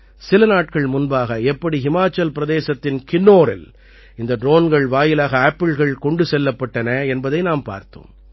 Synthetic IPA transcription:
sɪlɐnaːʈ̚kɐɭmʊnbaːɣɐɛpːɐɽiɦɪmaːt͡ʃːɐlpɪɾɐðeːsɐt̪ːɪnkɪnːoːɾɪ̰l | ɪnd̪ɐɖɾoːnɡɐɭʋaːjɪlaːɣɐaːpːɪɭɣɐɭkɔɳɖɯsɛlːɐpːɐʈːɐnɐɛnbɐðɐɪnaːmpa̰ːɾt̪o̰ːm

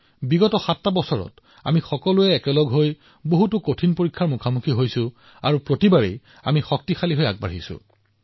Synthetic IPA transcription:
biɡɔtɔxatːabɔsɔɹɔ̰t | a̰mixɔkɔlʊɛːkɛlɔɡɦoj | boɦutʊkotʰinpoɹikʰːaɹmukʰamukʰiɦojsʊ̃ | a̰ɹupɹotibaɹḛj | a̰mixɔk̚tixʰaliɦoja̰ɡ̚ba̰ɦisʊ̰̃

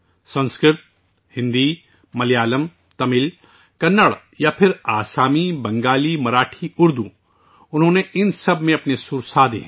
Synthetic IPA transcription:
sɐ̃nskɾɪt̪̚ | hɪ̃nd̪i | mɐlijaːləm | t̪ɐmɪl | kɐnːəɽ | japʰɪɾaːsaːmibɐ̃ŋɡaːlimɐɾaːʈʰiʊɾd̪u | ʊnɦõːneʔɪnsɐbmẽɐpnesʊɾsaːd̪ḛɦɛ̃

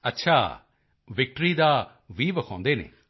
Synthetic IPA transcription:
ətːʃʰaː | ʋɪk̚ʈɾiːd̪aː | ʋiːʋəkʰãːnd̪eːnḛː

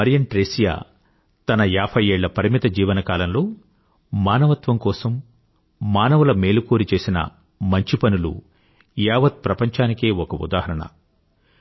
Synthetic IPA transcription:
ɐɾijɐɳʈɾeːsija̰ː | t̪ɐnɐjaːpʰɐjeːɭːɐpɐɾimit̪ɐd͡ʒiːʋɐnɐkaːlɐmlo̞ː | maːnɐʋɐt̪ʋɐmkɔːsɐmː | aːnɐʋulɐme̞ːlukoːɾit͡ʃe̞ːsinɐ̰ | mɐɲt͡ʃipɐnulṵ | jaːʋɐt̪̚pɾɐpɐɲt͡ʃaːnike̞ːɔkɐṵd̪aːhɐɾɐɳɐ̰

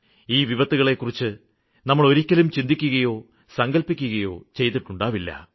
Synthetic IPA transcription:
iːʋiʋɐt̪ːuɣɐɭe̞kːurit͡ɕːɨ | nɐmːɐɭo̞ɾikʲːɐlumt͡ɕind̪ikʲːuɣɐjo̞ː | sɐŋɡɐlpːikʲːuɣɐjo̞ːt͡ɕe̞jt̪iʈːuɳɖaːʋilːɐ̰

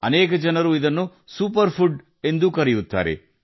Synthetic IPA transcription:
ɐnɛːk̬ɐd͡ʒɐnɐɾuid̪ɐnːu | sup̬ɐɾpʰuɖ | e̞nd̪ukɐɾɛjut̪ːa̰ːɾḛ

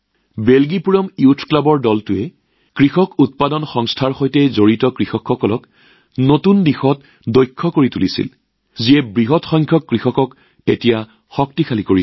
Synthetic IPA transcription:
belɡipuɹɔmiutʰklabɔɹdɔltʊɛ | kɹixɔkut̚padɔnxɔŋstʰaɹxojtɛzoɹitɔkɹixɔkxɔkɔlɔk | notundixɔt | dojkʰːɔkoɹitulisḭl | ziɛbɹiɦɔtxɔŋkʰjɔkːɹixɔkɔk | etija | xɔk̚tikʰalikoɹi

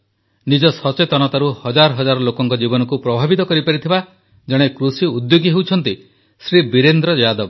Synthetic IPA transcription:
nid͡ʒɔsɔt͡ʃet̪ɔñɔt̪aɾuhɔd͡ʒaɾɔɦɔd͡ʒaɾɔlokɔŋkɔd͡ʒibɔnɔkupɾɔbʱabit̪ɔkɔɾipaɾit̪ʰiba | d͡ʒɔɽ̃ekɾusiud̪joɡiɦewt͡ʃʰɔnt̪i | sɾibiɾend̪ɾɔd͡ʒad̪ɔb

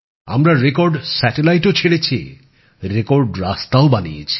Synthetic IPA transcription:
a̰mɾaɾekoɾɖsɛʈelajʈot͡ɕʰeɽet͡ɕʰi | ɾekoɾɖɾast̪aobaniḛt͡ɕʰi̥

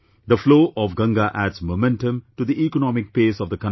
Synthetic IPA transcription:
d̪əfloːʔɔʋɡʌ̃ŋɡaʔæɖzmomɛ̃nʈə̃mʈud̪iʔikənɔmɪk̚peːsɔʋd̪əkʌ̃n

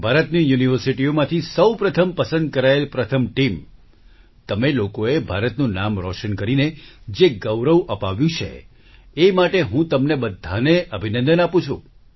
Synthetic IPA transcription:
bʱaɾət̪nijuniʋəɾsiʈiomãt̪ʰisəwpɾət̪ʰəmpəsə̃nd̪̚kəɾaelpɾət̪ʰəmʈim | t̪əmelokoebʱaɾət̪nũnamɾɔʃənkəɾined͡ʒeɡəʋɾəʋʔəpaʋjũt͡ʃʰḛ | emaʈeɦũt̪əmnebəd̪ʱaneʔəbʱinə̃nd̪ənapũt͡ʃʰṵ̃

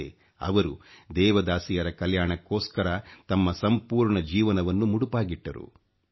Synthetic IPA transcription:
ḛ | ɐ̰ʋɐɾud̪ɛːʋɐd̪aːsijɐɾɐkɐljaːɳɐkːoːskɐɾɐt̪ɐmːɐsɐmpuːɾɳɐd͡ʒiːʋɐnɐʋɐnːumuɽupaːɡiʈːɐɾṵ

